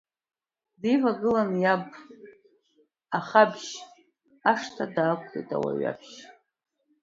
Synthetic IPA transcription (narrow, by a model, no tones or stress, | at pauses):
dejvaɡɨlanjab | aχabʒ | aʂtʰadaːkʷʰtḛjtʼa̰wa̰ɥa̰bʃ